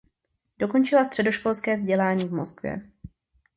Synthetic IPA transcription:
d̥o̞ko̞nt͡ʃɪlast̪r̥ɛdo̞ʃko̞lskɛːvzɟɛlaːɲiːvmoskvjɛ̰

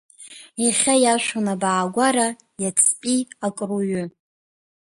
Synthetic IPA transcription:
iχʲajaʃʷonabaːɡʷaɾa | jat͡sʰpʼiakʼruɥʏ

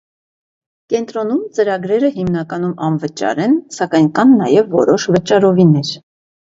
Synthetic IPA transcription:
kɛnt̪ɾɔnumt͡səɾɑɡɾɛɾəhimnɑkɑn̪umɑ̰nvət͡ʃɑ̰ɾɛnsɑkɑjnkɑnːɑjɛvːɔ̰ɾɔʃvət͡ʃɑɾɔvinɛɾ

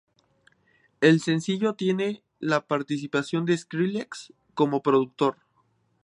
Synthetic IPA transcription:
e̞lse̞nsiʝo̞t̪je̞ne̞ | lapaɾt̪is̬ipasjo̞nd̪eskɾileks | ko̞mo̞pɾo̞ðuk̚t̪o̞ɾ

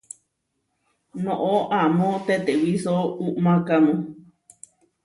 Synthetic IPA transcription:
nõʔoʔamõt̪et̪ewisouʔmãkamõ

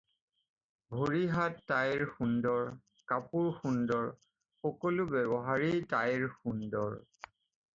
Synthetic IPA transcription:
bʱoɹiɦatːajɹxundɔɹ | kapuɹxundɔɹ | xɔkɔlubɛbɔɦaɹitajɹxundɔɹ

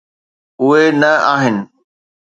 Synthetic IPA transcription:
ʊɦenɐaːɦɪnɪ̆

